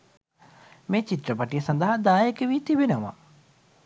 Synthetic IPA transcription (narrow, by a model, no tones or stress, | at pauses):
meːt͡ʃit̪rəpɐʈijəsand̪ɐɦad̪aːjekeʋiːt̪ibenəʋa̰